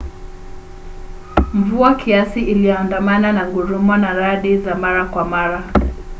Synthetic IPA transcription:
m̩vuakʰiasiilijɔandamananaɡuɾumɔnaɾaɗizamaɾakwamaɾa

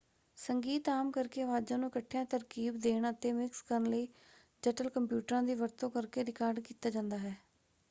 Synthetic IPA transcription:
səŋɡiːt̪aːmkəɾkeːəʋaːd͡ʒãːnũːkəʈʰːjãːt̪əɾkiːbd̪eːɳət̪eːmɪkskəɾənləiː | d͡ʒəʈəlkəmpjuːʈəɾãːd̪iːʋəɾt̪õːkəɾkeːɾɪkaːɾɖkiːt̪aːd͡ʒãːnd̪aːɦɛː

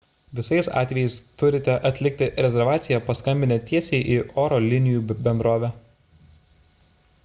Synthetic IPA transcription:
ʋʲɪsɐɪsɑ̰ːt̪ʲʋʲɛjɛɪst̪ʊɾʲɪt̪ʲɛʔɐt̪ʲlʲɪk̚t̪ʲɪɾʲɛzʲɛɾʋɑːt̪sʲɪjɛpɐskɐmʲbʲɪnʲɛt̪ʲiɛsʲeɪʔiʔoːɾɔlʲɪnʲɪjuːbʲɛnd̪ɾoːʋʲɛ

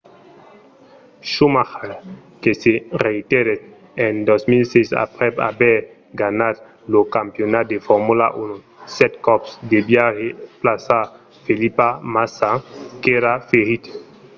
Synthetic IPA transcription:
ʃumaxa | kesereit̪eɾet | end̪ɔsmilsesa̰pɾɛpa̰bɛ | ɡanat̪ | lokampjonat̪̚d̪efɔɾmula̰ʔuno | sɛt̪kɔpsd̪ebjaheplasa | felipamasakeɾafeɾit̪

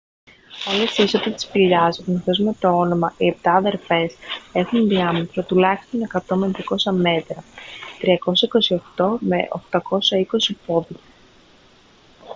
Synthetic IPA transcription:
olest̪iisot̪it̪i̥spiʎɐsniθo̞zme̞t̪o̞o̞nomɐʔiep̚t̪ɐːðe̞ɾfe̞se̞xunðiɐmet̪ɾot̪ulɐçi̥st̪o̞ne̞kɐt̪o̞mt̪ɾiɐko̞sɐme̞t̪ɾɐt̪ɾiɐko̞sɐiko̞sio̞xt̪o̞me̞̰ʔo̞̰xt̪ɐko̞sɐiko̞sipo̞ði

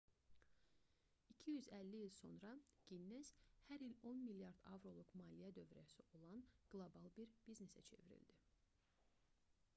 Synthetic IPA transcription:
icʰijyzælːiilso̞̰nɾɑɡ̥inːez̥hæɾilo̞nmiljɑɾd̪ɑ̰vɾo̞lˠukmɑːlijæd̪ø̞vɾæsiʔo̞lˠɑnɡ̥lˠobɑlˠbiɾb̥iznesæ̰t͡ʃʰe̞̰viɾḭld̪i

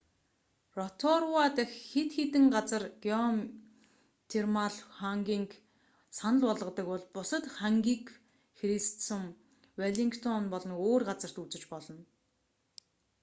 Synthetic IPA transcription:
rɔt̪ʰɔrwat̪ə̆xːet̪xet̪ɘ̆ŋɢat͡sə̆rɡeɔm | t̪ʰermaɮχaŋɡʲiːŋk | sanə̆ɮpɔɮʁə̆t̪ə̆kpɔɮpʊsə̆t̪χaŋɡʲik | xɾistt͡səm | waɮiŋkt̪ʰɔnpɔɮɞ̆noːrɢat͡sə̆r̥t̪ut͡sɘ̆t͡ɕpɔɮɞ̆n

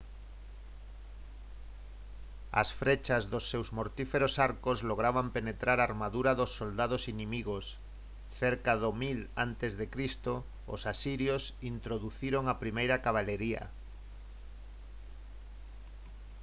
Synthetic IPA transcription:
a̰sfɾet͡ʃazðosːewzmoɾt̪ifeɾosaɾkozloɣ̞ɾaβampenet̪ɾaɾaɾmaðuɾaðosːold̪að̞osinĩmiɣos | θeɾkaðomila̰nt̪ezðekɾist̪o | o̰sasiɾjosint̪ɾoðuθiɾoŋapɾimejɾakaβ̞aleɾia̰

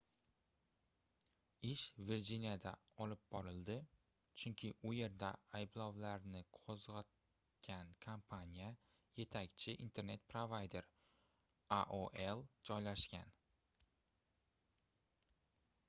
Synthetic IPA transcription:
ɪʃviɾd͡ʒinjad̪aɒlɪp̚bɒɾɪld̪ɪ | t͡ʃʰʊŋkʲʰɪʔʊje̞ɾd̪aajblˠɒwlaɾnɪqʰozʁat̪̚ | kʲʰankʰampʰanʲija | je̞t̪ʰakʲt͡ʃʰɪʔint̪ʰe̞ɾne̞t̪̚pɾovajd̪e̞ɾ | aʔoʔelˠd͡ʒɒjlaʃkʲa̰n

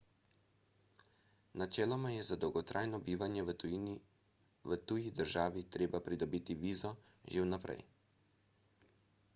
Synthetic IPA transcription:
nat͡ʃɛːlɔmajɛzad̪ɔwɡɔt̪ɾʔaːjnɔbiːʋanjɛ | ʋət̪ujid̪əɾʒaːʋit̪ɾeːbapɾid̪ɔbiːt̪iʋiːzɔʒewnapɾɛ̰j

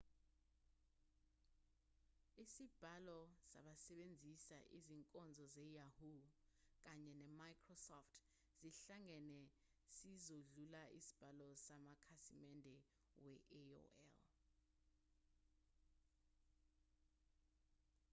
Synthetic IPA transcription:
isib̥ʱalɔsa̰ɓasɛɓend͡zʱisa̰ʔiziŋkʼɔnd͡zʱɔzɛjahuk̬aɲɛnɛmajkʰrɔsɔftʰ | z̥iɬaŋɛnɛ | sizoɮulaʔḭsi̥b̥ʱalɔsamakʰasimɛndʱɛ | wɛʔɛo̰ɛ̰l

